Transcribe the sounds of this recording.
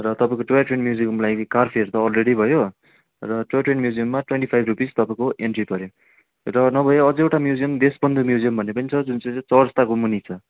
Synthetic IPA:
rʌt̪ʌpaẽkoʈuaʈwenmjuziʌmlajkarpʰiʌɾut̪ʌːlreɽibʱʌjo | rʌʈuaʈwenmjud͡zijʌmːaʈweɳʈipʰajbʱrupizt̪ʌpaĩkoʔeɳʈripʌɾjo | rʌnʌbʱʌjeʌd͡zʌeʈamjud͡zijʌmd̪esbʌnd̪umjud͡zijʌmbʱʌnepʌnit͡sʰʌd͡zunt͡sʌt͡sʌrst̪akomunit͡sʰʌ

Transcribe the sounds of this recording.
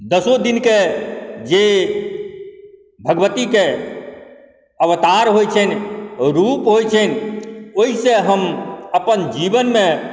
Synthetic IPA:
d̪əsod̪inked͡ʒe | bʱəɡʋət̪ike | əʋt̪aɾɦojt͡ʃʰɛnɾupɦojt͡ʃʰənoiseɦəməpənd͡ʒibənmẽ

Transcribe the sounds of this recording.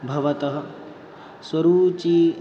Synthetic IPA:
bʱɐʋɐt̪ɐɦɐ | swɐɾuːt͡ʃi

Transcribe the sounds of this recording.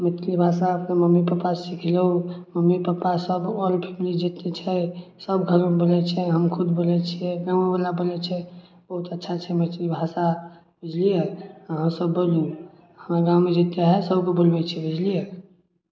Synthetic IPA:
mət̪libʱasaəpnaməmːipapasikʰleɦuməmːipəpasəbɔlpʰemlid͡ʒit̪et͡ʃʰɛsəbɡʱəɾõbolɛt͡ʃʰɛɦəmkʰud̪bolɛt͡ʃʰiɛɡabalabolɛt͡ʃʰɛ | b̥əɦut̪ətːʃʰat͡ʃʰɛmət̪libʱasa | bid͡ʒlijeaɦəmsəbːoliu | həmaɡãwmed͡ʒit̪eɦɛsəbkebolbɛt͡ʃʰɛbid͡ʒlije

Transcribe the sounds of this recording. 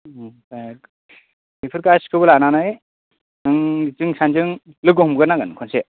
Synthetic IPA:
ta | mipʰɯɾkaskʰɯbɯlananaj | ɯŋzɯŋsʰand͡ʒɯŋ | lɯɡɔɦmɡɯnaɡɯnkʰɔnse

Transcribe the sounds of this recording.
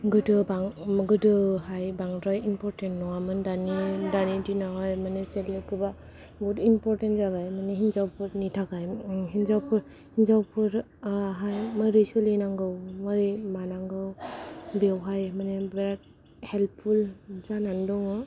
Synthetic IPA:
ɡɯdɯbaŋɡɯdɯhajbaŋdɾɔjinpʰɔɾtentnɔamɯndanidanidinaɦɔjmanestelipʰuba | bɔtimpɔɾtentzaβajmanehinzawpʰɯɾnitʰakajɦinzawpʰɯɾ | hinzawpʰɯɾ | ɦajmajɾɯjsulinaŋɡɯwmaɾimanaŋɡɯwbewɦajmanebeat̚ | hel̚pʰulzanandɔŋɯ

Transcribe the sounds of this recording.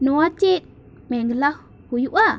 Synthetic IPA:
nəwatit̚ | meŋɡəlax | hujuʔa

